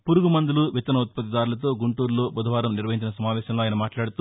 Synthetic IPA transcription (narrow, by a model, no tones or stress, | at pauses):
puɾuɡumɐnd̪uluʋit̪ɐnɐut̪̚pɐt̪̬id̪aːɾulɐt̪o̞ːɡuɳʈuːɾlo̞ːbɐd̪ʱɐʋaːɾɐmniɾʋɐɦiɲt͡ʃinɐsɐmaːʋɛːʃɐmloaːjɐnɐmaːʈlaːɽut̪uː